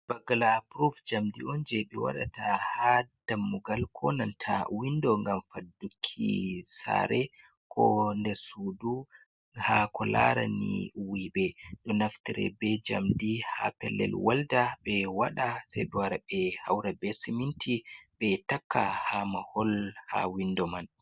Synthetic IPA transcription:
b̥aɡalapɾufd͡ʒamdiɔnd͡ʒɛɓɛwa̰ɗa̰tahad̥amːuɡalkʰɔnantʰawindɔŋɡamfadukʰːisa̰ɾɛ | kʰɔndɛɾsudu | hakɔla̰ɾanḭwibɛɗɔnaftiɾɛ̰bɛd͡ʒa̰mdiha̰pɛlːɛ̰lwaldabɛwaɗasajɗɔwaɾabɛhawɾabɛsimintʰibɛtakʰːahamahɔlha̰windɔman

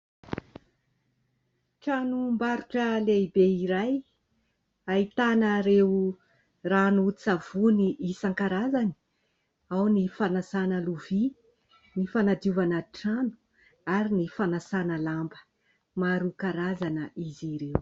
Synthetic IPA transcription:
ʈ͡ʂanumbaɾuʈ͡ʂəleibeiɾaj | ait̪anəɾew | ranut͡sav̥uniʔisaŋkaɾazani̥ | awnifanasanəluvi | nifanad̪iuvanəʈ͡ʂanu̥ | aɾinifanasanəlambə̥ | maɾukaɾazanəʔiziɾew

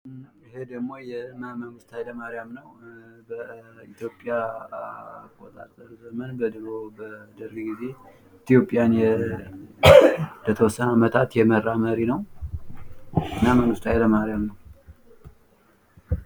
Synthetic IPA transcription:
ɪɦe̞d̪əɡmo̞jɛmməŋɡɨst̪ʰajləmaɾɪjamnəwbəit̪ʰjo̞pʼja | akʼːot̪ʼa̰t̪ʼːəɾzəmənbəd̪ɨɾobəd̪əɾiɡize̞ | t̪ʰjo̞pʼːijanjɛ | nd̪ət̪ʰəwɔsːənamət̪ʰat̪jɛmərːaməɾinəw | ɨnːaməŋɡɨst̪ʰajləmaɾjamnəw

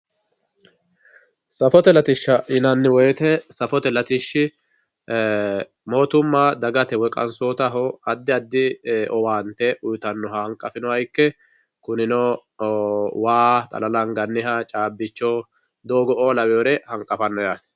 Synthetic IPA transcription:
sɐfɔt̪ɛlɐt̪ɪʃːɐʔɪnɐnːɪwɔjt̪ɛsɐfɔt̪ɛlɐt̪ɪʃːɪ | mo̞ːt̪ʊmːaːd̪ɐɡɐt̪ɛwɛkʼɐ̰nsoːt̪ɐɦɔɐd̪ːɪɐd̪ːɪʔɔwaːnt̪ːɛʔʊjʊt̪ɐnːɔhɐŋkʼːɐfɪnɔhɐjkːɛ | kʊnɪnɔ | waːt̪ʼɐ̰lɐlɐŋɡɐnːɪhɐt͡ʃʼaːbːɪt͡ʃːɔː | d̪oːɡɔoːlɐwjoːɾɛhɐŋkʼɐfɐnːɔjaːt̪ɛ̥

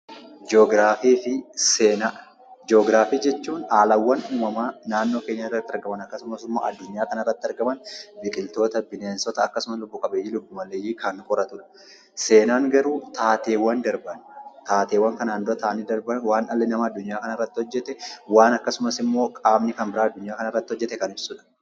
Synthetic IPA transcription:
d͡ʒoːɡɾaːfiːfɪseːna | d͡ʒoːɡɾaːfiːd͡ʒɛt͡ʃːuːnaːlɐwːɐnuːmɐmaːnaːnːo̞ːke̞ːɲːɐɪrːɐt̪ːɪɐɾɡɐmɐnɐkːɐsʊmɐsɪmːo̰ːʔɐ̰d̪ːʊɲːaːkɐnɐɪrːɐt̪ːɪɐɾɡɐmɐnbɪkʼɪlt̪o̞ːt̪ɐbɪneːnsɔt̪ɐːkːɐsʊmɐslʊbːʊkʼɐbejiːlʊbːʊmɐlːejiːkɐnːkʼɔɾɐt̪ʊᶑɐ̥ | se̞ːnaːŋɡɐɾuːt̪ʰaːt̪e̞ːwːɐnd̪ɐɾbɐnt̪aːt̪e̞ːwɐŋkɐnaːnːoːt̪aːnːɪd̪ɐɾbɐnwaːnʔɐlːɛnɐmɐːd̪ːʊɲːaːkɐnɐɪrːɐt̪ːɪhɔd͡ʒːɛt̪ɛwaːnɐkːɐsʊmɐsɪmːo̞ːkʼaːmnɪkɐnbɪɾaːɐd̪ːʊɲːaːkɐnɐrːɐt̪ːɪhɔd͡ʒːɛt̪ːɛkɐnɪbsuːᶑɐ̥

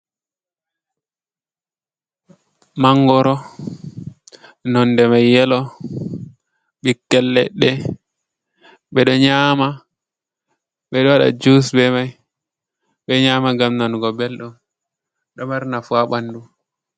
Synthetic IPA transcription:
maŋɡɔɾɔ | nɔndɛmajːɛlɔ | ɓikːɛlːɛ̰ɗɛ | ɓɛɗɔɲaːma | ɓɛɗɔwaɗa̰d͡ʒusbɛmaj | ɓɛɲaːmaɡamnanɡɔbɛlɗɔm | ɗɔmaɾnafuaɓandu

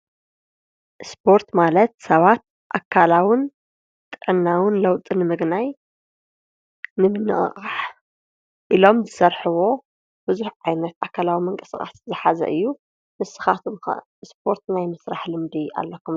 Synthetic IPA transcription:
ʔspʰo̞ɾt̪malɐt̪̚sɐβat̪̚ | ʔakʰːalawɪn | t̪ʼɨʕɨnːawɨnlɐwt̪ʼɨnɨmɨɡnaj | nɨmɨnːɨ̰ʔʼχʼaħ | ʔilo̞mzɨsɐɾħɨwo̞ | bɨzuħʕajnɐt̪akʰalawimɨŋkʼɨsɨkʼa̰szɨħazɐ̰ʔɨjːu | mɨsɨxat̪ʰum̰ | sp̚ʰo̞ɾt̪najmɐsɾaħlɨmd̪ia̰lːɐkʰːum

